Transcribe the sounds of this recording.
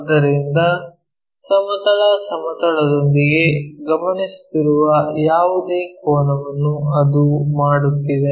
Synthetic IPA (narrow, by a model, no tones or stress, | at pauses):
d̪ɐɾind̪ɐ | sɐmɐt̪ɐɭɐsɐmɐt̪ɐɭɐd̪o̞nd̪iɡe̞ɡɐmɐnist̪iɾuʋɐjaːʋud̪eːkoːnɐʋɐnːuɐd̪umaːɽut̪ːid̪e